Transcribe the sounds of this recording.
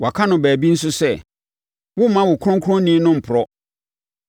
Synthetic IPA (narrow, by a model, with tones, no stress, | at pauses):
wa˨kʰa˦nʊ̃˨bæː˨bi˦n̩˦sʊ˦sɛ˦˨ | wʊ˦mã˦wʊ˨kʰʊ̃˦ŋkʰɾʊ̃˦nĩ˦nʊ̃˦m̩˨pʰʊ˨ɾɔ˦